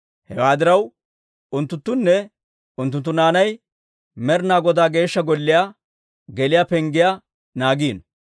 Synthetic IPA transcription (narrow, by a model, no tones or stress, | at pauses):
hɛwaːd̪ɪɾɐw | ʊnt̪ːʊnt̪ːʊnːɛ | ʊnt̪ːʊnt̪ːʊnaːnɐj | mɛɾnaːɡɔd̪aːɡe̞ːʃːɐɡɔlːɪjaː | ɡɛlɪjaːpɛŋɡɪja | naːɡiːn